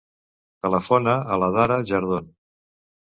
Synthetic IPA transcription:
t̪ələfonəːləðaɾəʒəɾð̞on

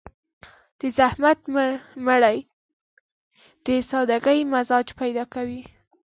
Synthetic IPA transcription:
d̪̥əzahmat̪məɽaj | d̪̥əsɑd̪aɡəjmazɑd͡ʒpajd̪ɑkawi

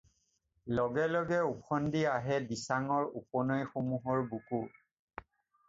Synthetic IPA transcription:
lɔɡɛlɔɡɛukʰɔndiaɦɛdisaŋɔɹupɔnɔjxomuɦɔɹbuku

